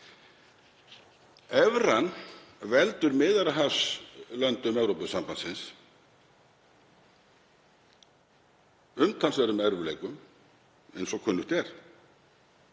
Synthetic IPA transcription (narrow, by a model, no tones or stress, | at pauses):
ɛvɾanvɛlt̪ʏɾmɪːðaɾaɦafslœnt̪ʏmɛvwɾowpʏsampansɪns | ʏmt̪ʰansvɛɾʏmɛɾvʏleːjkʏm | ɛ̰jnsɔkʰœːnːʏht̪ɛɾ̥